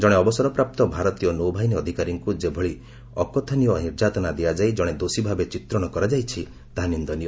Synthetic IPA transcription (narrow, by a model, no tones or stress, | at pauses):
d͡ʒɔɽ̃eɔbɔsɔɾɔpɾap̚t̪ɔbʱaɾɔt̪ijɔnowbʱajniɔd̪ʱikaɾiŋkud͡ʒebʱɔɭi | ɔkɔt̪ʰanijɔniɾd͡ʒat̪ɔnad̪iad͡ʒajd͡ʒɔɽ̃ed̪osibʱabet͡ʃit̪ɾɔɽ̃ɔkɔɾad͡ʒajt͡ʃʰi | t̪aɦanind̪ɔniɔ